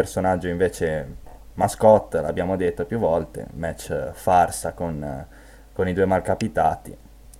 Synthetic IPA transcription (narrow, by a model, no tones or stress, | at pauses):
ersonad͡ʒːoiɱveːt͡ʃemaskɔt̪ːla̰bjaːmod̪et̪ːopjuvɔlt̪ḛmɛt͡ʃːfarsakon | konid̪uemalkapit̪aːt̪ḭ